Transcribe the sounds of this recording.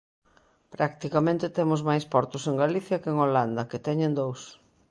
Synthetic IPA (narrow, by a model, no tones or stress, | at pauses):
pɾakt̪ikamẽnt̪ɪt̪emʊzmajspɔɾt̪ʊseŋɡaliθjɐkeŋoland̪ɐket̪ɛɲẽnd̪ows